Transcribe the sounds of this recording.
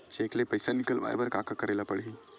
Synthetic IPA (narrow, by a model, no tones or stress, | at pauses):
t͡ɕeklepəjsanikəlʋa̰jʋəɾkakakəɾajlapəɽɦi